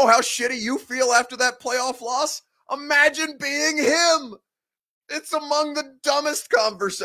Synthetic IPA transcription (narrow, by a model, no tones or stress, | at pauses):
ʊhaʊʃɪɾɨjɨfilˠæftə˞ðɨt̚pʰl̥eɪɔflɔs | ʔəmæd͡ʒɨ̃nbiɪ̃ŋɪ̃m | ɪtsəmʌ̃ŋðɨdʌmɨstkʰɑ̃ɱvə˞se